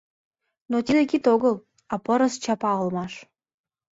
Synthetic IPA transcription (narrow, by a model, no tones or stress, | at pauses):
not̪ʲid̪ekʲit̪oɣəlˠ | ɑpɤ̆ɾə̆st͡ɕɑpɑɤlmɑʃ